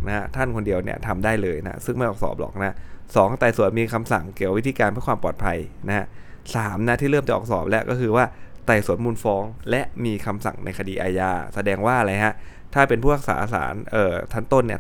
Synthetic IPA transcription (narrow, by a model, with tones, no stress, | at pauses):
na˦˥t̪ʰa˥˩nkʰo˧ndi˧əwnḭ˥˩ɐt̪ʰa˧mdaː˥˩jlɤː˧jna̰˦˥sɯ˥˩ma˥˩jʔɔː˨˩k̚sɔ̰ː˨˩p̚lɔ̰˨˩k̚na˦˥sɔː˩˦ŋ˩t̪a˨˩jsu˨˩˦ənmiː˧kʰa˧msa˨˩ŋki˨˩kwi˦t̪ʰiː˧kaː˧npʰɯ˥˩kwaː˧mpɔː˨˩t̪̚pʰa˧jna˦ha˦˥ | saː˩˦mna˦˥t̪ʰiː˥˩ɾɤː˥˩mt͡ɕa˨˩ʔɔː˨˩ksɔː˨˩p̚lɛ˦˥ʔkɔː˥˩kʰɯː˧waː˥˩t̪a˨˩jsu˨˩˦nmuː˧nfɔː˧ŋlɛ˦˥ʔmiː˧kʰa˧msa̰˨˩ŋnʔa̰˧jkʰa˧diː˧ʔaː˧jaː˧sa˧dɛː˧ŋwaː˥˩a˧la˧jkʰa˦˥ | t̪ʰaː˥˩pe˧npʰuː˥˩ɾa˦˥k̚sa̰ː˩˦˧sa̰ː˩˦nʔɤː˨˩t̪ʰa˦˥nt̪o˥˩nːi˥˩ɐ